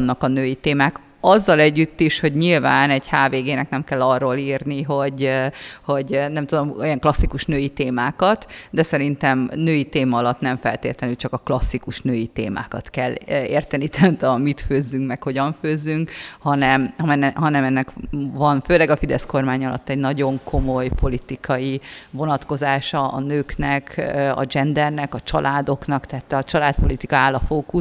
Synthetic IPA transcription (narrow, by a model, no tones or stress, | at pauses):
nːɒkɒnøːjit̪eːmaːk | ɒzːɒlɛɟːyt̪ːiʃho̞ɟɲilvaːnɛɟhaːveːɡeːnɛknɛmkɛlːɒrːoːlirniɦo̞ɟho̞ɟnɛmt̪ud̪o̞miɛŋklɒsːikuʃnøːjit̪eːmaːkɒt̪d̪ɛsɛɾint̪ɛmnøːjit̪eːmɒɒlɒt̪nɛɱfɛ̰lt̪ḛːt̪lɛnylt͡ʃɒkɒklɒsːikuʃnøːjit̪ḛːma̰ːkɒt̪kɛlḛːrt̪ɛnit̪ʰɛnt̪ɒmit̪føːzːyŋkmɛkho̞ɟɒɱføːzːyŋkhɒnɛmɒɛnɦɒnɛmɛnːɛkvɒnføːlɛɡɒfid̪ɛsko̞rmaːɲɒlɒ̰t̪ːɛɟnɒɟo̞ŋkʰo̞mo̞jpʰo̞lit̪ikʰɒjivo̞nɒt̪ko̞zaːʃɒɒ̰nøːknɛkɒ̰d͡ʒɛnd̪ɛrnɛkɒt͡ʃɒlʔaːd̪o̞knɒkt̪ɛɦaːt̪ːɒt͡ʃɒlaːt̪̚po̞lit̪ikɒaːlːɒfoːku